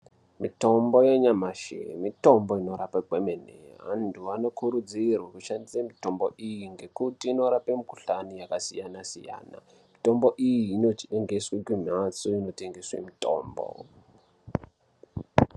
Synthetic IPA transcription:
mito̞mbo̞jeɲamaʃḛmitomboinoɾapaɡʱwemenḛa̰ntuʋano̞kuɾud͡zirwakuʃandisamito̞mboʔijiŋɡe̞kutiːno̞ɾapemiku̥ɬanijakasijanasḭja̰ːna̰ | mito̞mbo̞ʔijiːno̞t͡ʃieŋɡeswekwimat͡soino̞te̞ŋɡeswḛmito̰ːmbo̰

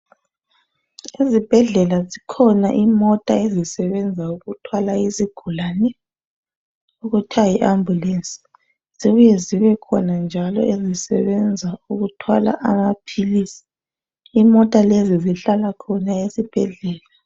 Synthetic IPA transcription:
izib̥ʱɛɮɛlazikʰɔnaʔimɔtʼaezisɛβɛnd͡zʱauɣutʰwalaiziɡ̥ʱulanɛ | uɣutʰajiʔambʱjulensʼi̥ | z̥iβujɛziβɛkʰɔnand͡ʒʱalɔ̰ʔezisɛ̰βɛnd͡zʱauɣutʰwa̰la̰ʔamapʰiliːsi̥ | imɔtʼaleziziɬalakʰɔnaesib̥ʱɛɮɛːla

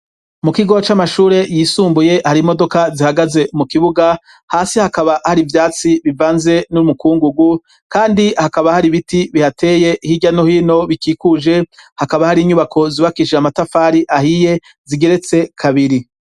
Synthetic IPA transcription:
mukiɡo̞ot͡ʃamaʃuːɾe̞jisuːmbuje̞haɾimo̞do̞kazihaɡaze̞mukiβuɡa | haːsihakaβahaɾivjaːt͡siβivaːnze̞numukuːŋɡuɡu | kaːndihakaβahaɾiβitiβihate̞ːje̞hiɟano̞hiːno̞βikiːkuʒe̞hakaβahaɾiɲuβakʰo̞ziβakiʃiamatafaːɾiʔahije̞ | ziɡe̞ɾe̞t͡se̞kʰaβiɾi

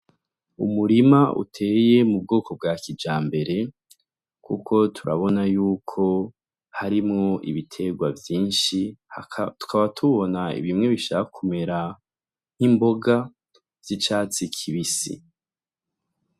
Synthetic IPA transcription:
ṵmuɾimaʔṵtʰe̞ːje̞mub̚ɡoːkʰo̞b̚ɡakid͡ʒaːmbe̞ɾe̞ | kʰukʰo̞tʰuɾa̰βo̞najuːkʰo̞ | haɾimŋo̞ʔḭβitʰe̞ɡwavjiːnʃi | tu̥kʰaβatʰuβo̞naḭβimŋe̞βiʃakakʰume̞ɾa | n̥himbo̞ɡa | v̥it͡ʃaːt͡sikʰiβisḭ

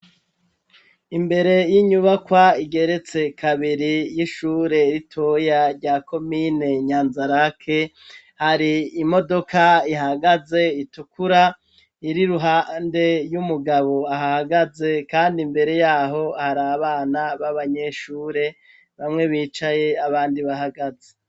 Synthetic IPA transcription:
imbe̞ɾe̞jiɲuβakwaiɡe̞ɾe̞t͡se̞kʰaβiɾijiʃuːɾe̞ɾitʰojaɾɟaːkʰo̞mine̞ɲaːnzaɾakʰe̞ | haɾiːmo̞do̞kaiɦaɡaze̞itukʰuɾa | iɾiɾuɦande̞jumuɡaβo̞aɦahaɡaze̞kaːndimbe̞ɾe̞jaːɦo̞haɾaβaːnaβaβaɲe̞ʃuːɾe̞ | βamŋe̞βiːt͡ʃaje̞aβaːndiβaɦaɡaze

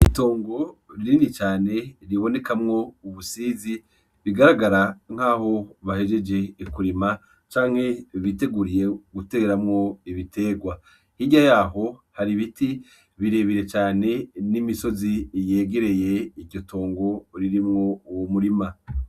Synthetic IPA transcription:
ito̞ːŋɡo̞ɾiɾinit͡ʃaːne̞ɾiβo̞ne̞kamŋo̞uβusiːzi | βiɡaɾaɡaɾaŋ̥aːho̞βahe̞d͡ʒe̞d͡ʒe̞ikuɾima | t͡ʃaːŋ̥he̞βite̞ɡuɾije̞ɡute̞ɡeɾamŋo̞iβite̞ːɡwa | hiɲɟajaːɦo̞haɾiβiti | βiɾe̞βiɾe̞t͡ʃaːne̞nimiso̞zijeːɡe̞ɾe̞je̞iɟɟo̞tʰo̞ːŋɡo̞ɾiɾimŋo̞uwomuɾima

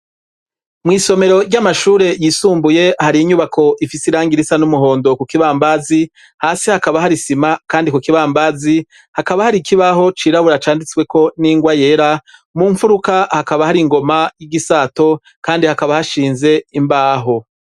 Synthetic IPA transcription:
mŋiːso̞me̞ɾo̞ɾɟamaʃuːɾe̞jiːsuːmbuje̞haɾiɲuβakʰo̞ʔifisiɾaːŋɡiɾisanumuɦo̞ːndo̞kukiβaːmbazi | haːsihakaβahaɾisimakaːndikukiβaːmbazi | hakaβahaɾikiβaɦo̞t͡ʃiːɾaβuɾat͡ʃaːndit͡swe̞ko̞niːŋɡwaje̞ːɾamuːɱfuɾukahakaβahaɾiŋɡo̞majiɡisaːto̞ | kaːndihakaβahaʃiːnze̞imbaːɦo̞

